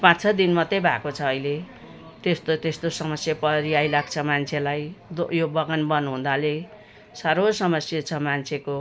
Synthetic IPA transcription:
pãt͡sʰʌd̪inmat̪ʌjbʱa̰kot͡sʰʌːile | t̪est̪ot̪est̪osʌmʌsjapʌɾiajlaɡ̚t͡sʰʌmant͡sʰelajd̪jobʌɡʌnbʌnuɦũd̪ale | saɾosʌmʌsjat͡sʰʌmant͡sʰeko

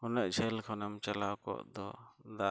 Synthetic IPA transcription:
hunəʔt͡ʃʰɛlkʰɔnəmt͡ʃalawkɔ̰ʔd̪ɔd̪a

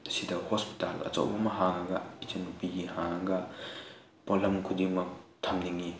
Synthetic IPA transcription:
sidɐhospi̥talɐ̰t͡ʃɐ̰wbɐmɐɦaŋɐɡɐit͡ʃɐnupiɡihaŋɐɡɐ | polɐmkʰudiŋmɐk̚tʰɐmniŋi

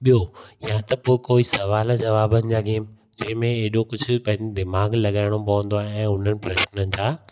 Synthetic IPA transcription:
ɓijojãt̪ɐpoːɪkoːisɐʋaːld͡ʑɐʋaːbənɪ̆d͡ʑaːɡeːm | d͡ʑɐ̃ɦɪ̃mẽeːɗokʊd͡ʑʱʊ̆pɐ̃ɦɪ̃ɲd͡ʑed̪ɪmaːɡlɐɠaːɪɽ̃opɐə̃nd̪oaːɦɛ̃ːʊn̤ənɪ̆pɾɐʃnənɪ̆sʰãː

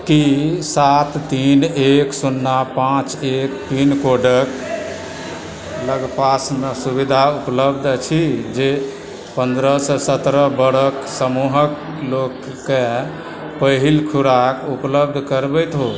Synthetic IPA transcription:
kisat̪ːineksunːapãt͡ʃekpinkoɖək | ləɡpasmesubid̪ʱaupləbd̪ʱt͡ʃʰid͡ʒe | pənd̪ɾəsɔ̃sət̪ɾəbəɽəksəmuɦək | lokː | e | pəɦilkʰuɾakupləbd̪ʱkəɾbəjt̪ɦo

